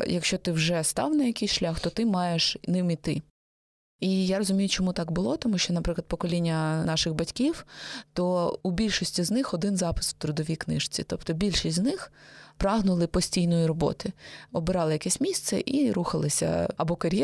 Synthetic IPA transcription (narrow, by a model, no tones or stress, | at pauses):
jɐkʃt͡ʃɔt̪ɪwʒɛst̪ɑ̰wnɐjɐkɪjsʃlʲaxt̪ɔt̪ɪmɑjeʃnɪmit̪ɪ | ijaɾɔzʊmʲijʊt͡ʃɔmut̪ɑkbʊlˠɔt̪ɔmuʃt͡ʃɔnɐpɾɪklˠɐd̪̚pɔkɔlʲinʲːɐnɑʃɪɣbɐtʲkʲiwt̪ɔubʲilʲʃɔsʲtʲiznɪxɔd̪ɪnzɑpɪ̥swt̪ɾʊd̪ɔʋʲijknɪ̰ʃt͡sʲḭt̪ɔpt̪ɔbʲilʲʃisʲtʲznɪxpɾɑɦnʊlˠɪpɔsʲtʲijnɔjiɾɔbɔ̰t̪ɪɔbɪɾɑlˠɪjɐkɛsʲmʲist̪sɛʔiɾuxɐlˠɪsʲɐ̰ɐbɔkɐɾʲjɛ